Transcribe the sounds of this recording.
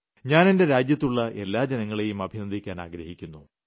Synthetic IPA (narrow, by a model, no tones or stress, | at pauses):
ɲaːne̞nde̞ɾaːd͡ʑjɐt̪ːuɭːɐʔe̞lːaːd͡ʑenɐŋːɐɭejumɐbʱinɐnd̪ʱikʲːaːna̰ːɡɾɐhikʲːunːu